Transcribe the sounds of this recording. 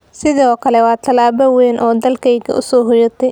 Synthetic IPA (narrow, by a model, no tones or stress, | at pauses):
sɪðɔːkʰɐlɛwɑːt̪ʰɐlaːβɐwɛːnʔɔːd̪ɐlkʰɛjɡɐ̰ʔʊ̰sɔːɦʊjɐt̪ʰɛj